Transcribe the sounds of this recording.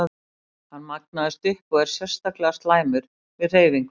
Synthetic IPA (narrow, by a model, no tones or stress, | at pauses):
hanːmak̚naðɪst̪ʏhkɔɣɛɾ̥sjɛ̥st̪aklɛɣast̪laːjmʏɾ̥ | vɪðr̥eːjviŋk